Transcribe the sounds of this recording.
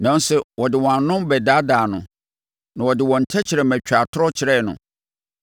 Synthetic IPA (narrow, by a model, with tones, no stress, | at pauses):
nã˨n˦sɛ˦wɔ˨dɪ˨wɔ̃˨ã˨nnʊ̃˦mbɛ˨da˦daː˨nʊ̃˨ | nã˨wɔ˨dɪ˨wɔ̃˨n̩˨tʰɛ˦t͡ɕʰɪ˨ɾɛ˨mæ̃˨t͡ɕᶣa˨tʰʊ˦ɾɔ˦t͡ɕʰɪ˨ɾɛ˦˨nʊ̰̃˨